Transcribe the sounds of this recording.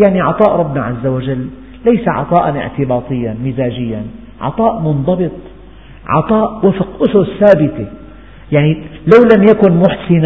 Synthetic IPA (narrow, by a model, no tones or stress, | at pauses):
jaʕniʕɑ̰t̪ˤɑːʔɾˤɑbːnaʕazːawaʒalː | ajsaʕɑ̰t̪ˤɑːʔanʔɪ̰ʕt̪ɪbɑːt̪ˤɨjːanmɪzaːʒɪjːan | ʕɑ̰t̪ˤɑːʔmʊnðˤɑbɨt̪ˤ | ʕɑ̰t̪ˤɑːʔwafqʔʊsʊsːaːbɪt̪e | jaʕnilawlamjakʊnmʊħsɪn